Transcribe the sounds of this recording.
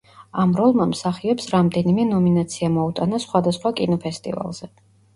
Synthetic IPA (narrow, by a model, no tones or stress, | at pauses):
amɾɔlˠmamsaχiɔpsɾamd̪ɛnimɛnɔminat̪sʰiamɔut̪ʼanasχwad̪asχwakʼinɔpʰɛst̪ʼḭva̰lˠz̥ɛ